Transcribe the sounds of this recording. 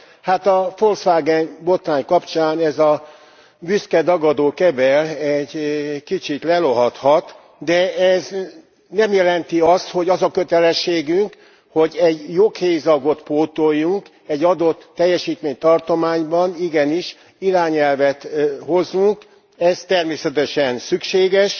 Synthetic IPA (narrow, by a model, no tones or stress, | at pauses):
haːt̪ɒfolsʋaːɡɛnbo̞t̪raːɲkɒpt͡ʃaːnɛzɒ | byskɛd̪ɒɡɒd̪oːkɛbɛlɛɟkit͡ʃit̪lɛlo̞ɦɒt̪hɒt̪ | d̪ɛɛz | nɛmjɛlɛnt̪iɒst̪ho̞ɟɒzɒkø̞t̪ɛlɛʃːeːɡyŋk | ho̞ɟɛɟjokheːjzɒɡo̞t̪poːt̪ojːuŋk | ɛɟːɒd̪o̞t̪ːɛjːɛʃiːt̪meːɲt̪ɒrt̪o̞maːɲbɒniɡɛniʃ | iɾaːɲɛlvɛt̪ho̞zːuŋk | ɛzt̪ɛrmeːsɛt̪ɛʃɛnsykʃeːɡɛʃ